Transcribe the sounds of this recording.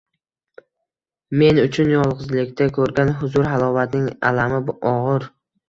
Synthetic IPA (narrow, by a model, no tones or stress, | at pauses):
me̞nʊt͡ʃʰʊnjɒlˠʁɨzlɪkʲt̪ʰakʰɵɾɡʲanɦʊzʊɾɦalˠɒvat̪nɪŋa̰lamɪbʔɒʁɨɾ